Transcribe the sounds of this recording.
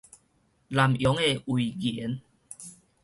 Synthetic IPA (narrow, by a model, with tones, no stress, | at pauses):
la˨˩mjɔ˨˦ŋe˧ʔwu˨˩ɣi˨˦n